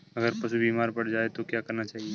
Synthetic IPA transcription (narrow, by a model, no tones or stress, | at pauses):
ɐɡəɾpɐsubiːmaːɾpɐɽd͡ʒaːet̪okjaːkɐɾnat͡ʃaːɦie